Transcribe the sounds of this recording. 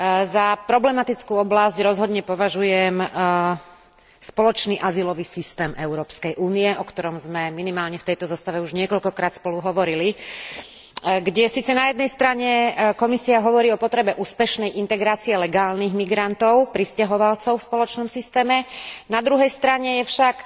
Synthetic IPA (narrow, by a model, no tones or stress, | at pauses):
zapɾɔblɛmat̪it͡skuːɔblazɟɾɔzɦɔd̪ɲɛpɔʋaʒujɛm | spɔlɔt͡ʃniːʔazilɔʋiːsist̪ɛːmʔɛʊɾɔːpskɛjʔuːniɛʔɔkt̪ɔɾɔmzmɛminimaːlɲɛft̪ɛjt̪ɔzɔst̪aʋɛuʒɲɪɛkɔʎkɔkɾaːt̪spɔluɦɔʋɔɾili | ɡɟɛsiːt͡sɛnajɛd̪̚nɛjst̪ɾaɲɛkɔmisiaɦɔʋɔɾiːɔpɔt̪ɾɛbɛʔuːspɛʃnɛjʔint̪ɛɡɾaːt͡siɛlɛɡaːlniɣmiɡɾant̪ɔʊpɾiscaɦɔʋalt͡sɔʊfspɔlɔt͡ʃnɔmsist̪ɛːmɛnad̪ɾuɦɛjst̪ɾaɲɛjɛfʃak